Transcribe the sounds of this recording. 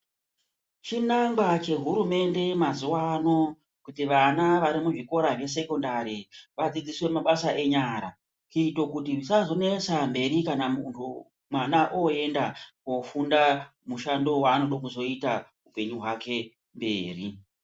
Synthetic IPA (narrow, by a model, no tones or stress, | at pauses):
t͡ʃinaŋɡwat͡ʃe̞ɦuɾume̞nde̞mazuwano̞ | kutiʋanaʋaɾimuʐiko̞ɾaʐe̞s̬e̞ko̞ndaɾiʋad͡zid͡ziswe̞maɓasaʔe̞ɲaɾa̰ | t͡ʃuito̞kutiisazo̞ne̞sambe̞ɾikanamuntʰu | mwanaʔoe̞ndako̞funda | muʃando̞waːnoɗokuzo̞ita | upe̞ɲuɦwake̞ | mbe̞ːri